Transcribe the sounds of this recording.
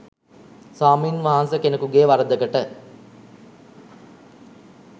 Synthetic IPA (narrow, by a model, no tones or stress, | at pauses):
saːminʋaɦansəkenəkuɡeːʋaɾəd̪əɡəʈə